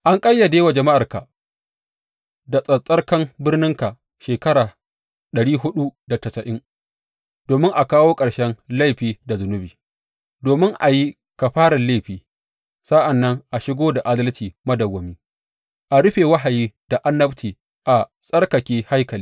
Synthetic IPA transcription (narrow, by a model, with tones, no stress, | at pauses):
ʔa˦ŋkʼɐ˦jːa˨deː˦wa˨d͡ʒɐ˨ma˦ʔa˨rka˨ | da˨sʼɐ˦˨sʼɐ˦rkɐ˦mbɪ˦rnɪ˦ŋka˨ʔ | ʃeː˨kɐ˦ɾaː˨ | ɗɐ˨ɽiː˦ɦʊ˦ɗu˦da˨tɐ˨sɐ˨ʔɪ˦ŋ | d̥oː˨mɪ˦ŋʔa˨kaː˦woː˦kʼɐ˨ɽʃɛ˦nla˦jɸiː˨da˨zʊ˨nʊ˦biː˨ | doː˨mɪ˦ŋʔa̰˨ji˦ | ka˨ɸaː˦ɽa˨le˦˨ɸiː˨ | sa˦ʔa˨nːɐ˦ŋʔa˨ʃɪ˦ɡʷoː˦da˨ʔa˦dɐ˦ltiː˨mɐ˦dɐ˨wːɐ˨miː˦ | ʔa˨ɽʊ˦ɸeː˨wɐ˦ɦa˨jiː˦d̥a˨ʔa˦nːɐ˦btʰiː˨ | ʔa˨ | sʼɐ˦rka˨kʲeː˨ha˦jkɐ˨liː˦